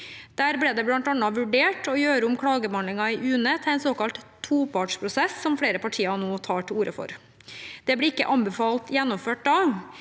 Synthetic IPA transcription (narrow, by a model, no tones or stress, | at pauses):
d̪̥æːɾbɽɛːd̪ɛbɽɑnt̪ɑnːɑʋʉɖeːʈʰɔjøːɾəʊmkʰɽɑːɡəbɑnlɪŋɑɪʔʉːnət̪ʰɪlɛnsoːkɑlt̪t̪ʰːuːpʰɑʈʂpʰɾʊsɛsːɔmfɽeːɾəpʰɑʈʰiːɑnoːt̪ʰɑːʈʰɪluːɾəfɔ̰ɾ | d̪̥ɛblɪːɪkːə̰ʔɑnbɛfɑːlt̪jɛnːɔmføːʈ̚d̪ɑː